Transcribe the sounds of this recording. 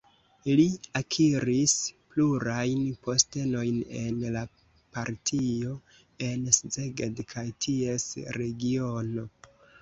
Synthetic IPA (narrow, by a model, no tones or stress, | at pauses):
liakʰiɾispluɾajnpo̞ste̞no̞jne̞nla | paɾtʰio̞ | e̞nszeɡedkʰajtʰie̞sɾe̞ɡio̞no̞